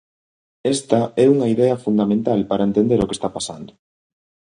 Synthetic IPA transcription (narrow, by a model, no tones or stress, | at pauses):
ɛst̪ɐɛuŋɐiðɛɐfund̪amẽnt̪alpaɾɐent̪end̪eɾokest̪apasa̰nd̪ʊ